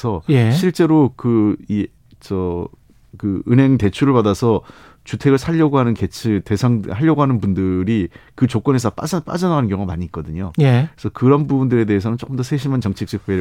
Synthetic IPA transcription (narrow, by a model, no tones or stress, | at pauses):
sʰʌjeiɭt͡ɕ͈e̞ɾokɯi | t͡ɕʌ | kɯɯnɦe̞ŋte̞t͡ɕʰuɾɯɭpadasʰʌ | t͡ɕutʰe̞ɡɯɭsʰaʎːʌɡoɦanɯnke̞t͡ɕʰɯte̞sʰaŋhaʎːʌɡoɦanɯnbundɯɾikɯt͡ɕok͈ʌne̞sʰʌp͈ap͈a̰d͡ʑʌnaɡanɯnkjʌŋoamaɲiːk͈ʌdɯɲojekesʰʌkɯɾʌnbubundɯɾe̞de̞ɦesʰʌnɯnt͡ɕ͈ok͈ɯmndʌsʰeɕʰimant͡ɕʌŋt͡ɕʰik̚t͡ɕ͈ʰɯk̚p͈e